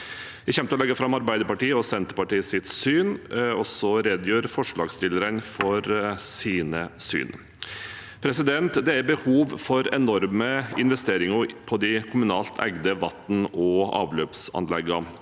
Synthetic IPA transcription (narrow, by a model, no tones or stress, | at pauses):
ʋɪçɛmt̪əɔlɛɡːəɾfɾɑmɑɾbæɪd̪əɾpɑʈiːəɔsɛnt̪əɾpɑʈiːəsɪt̪syːnɔsɔɾeːd̪jøːɾfɔʂlɑ̰ːɡst̪ɪlːəɾənfɔɾsiːnəsy̰ːn | pʰɾɛsɪd̪ɛnt̪d̪ɛæɾbəhuːʋfɔɾɛnɔɾməɪnʋɛst̪eːɾɪŋəpʰɔd̪ɪkʰʊmʉnɑːlt̪ʰæ̰ɡd̪əʋɑ̰t̪n̩ɔɑ̰ːʋløːpsɑ̰nlɛɡːɑ